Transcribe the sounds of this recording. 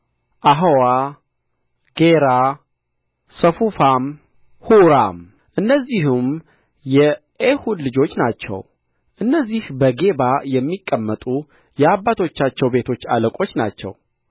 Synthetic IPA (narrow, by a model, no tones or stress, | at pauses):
ʔaɦowa | ɡ̥eɾa | səfufam | huɾam | ʔɨnːəzːiɦum | jɛ | ʔehud̪lɨd͡ʒo̞t͡ʃːnat͡ʃːɛ̰w | ʔɨnːəzːihbəɡe̞bajɛmːikʼːəmːət̪ʼu | jɛabːat̪ʰo̞t͡ʃːat͡ʃːɛwbe̞t̪ʰo̞t͡ʃːa̰ləkʼo̞t͡ʃːna̰t͡ʃːɛ̰w